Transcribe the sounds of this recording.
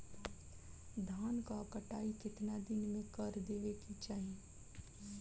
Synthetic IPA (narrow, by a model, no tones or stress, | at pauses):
d̪ʱaːnkakəʈaːikɪt̪nad̪ɪnmẽkəɾd̪eːʋekit͡ʃaːɦie